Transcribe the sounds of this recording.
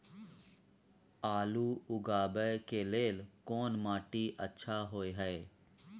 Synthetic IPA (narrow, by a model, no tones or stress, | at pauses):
aːluːʊɡaːbəkeleːlkɔːnmaːʈiʔətːʃʰaɦoːeɦɛe